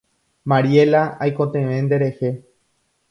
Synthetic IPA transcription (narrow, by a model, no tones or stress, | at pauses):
maɾje̞laajkot̪ẽʋẽ̞nd̪e̞ɾehe